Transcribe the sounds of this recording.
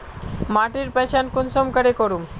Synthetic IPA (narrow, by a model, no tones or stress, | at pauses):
maʈiɾpɛt͡ɕankunsɔmkəɽekoɾum